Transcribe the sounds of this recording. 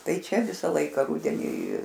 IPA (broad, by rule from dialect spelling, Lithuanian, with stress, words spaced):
ˈtɐɪ ˈt͡ʃʲɛ ˈʋʲɪsɑː ˈlˠɐɪkɑː ˈrʊdʲɛnʲiː